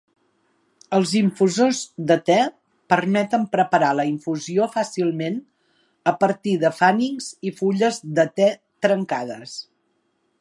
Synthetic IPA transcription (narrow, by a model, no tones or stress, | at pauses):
əlˠziɱfuzozðət̪ɛ | pəɾmɛt̪əmpɾəpəɾaləiɱfuziofasilˠmen | əpəɾt̪iðəfaniŋz̥ifuʎəzðət̪ɛ | t̪ɾəŋkaðəs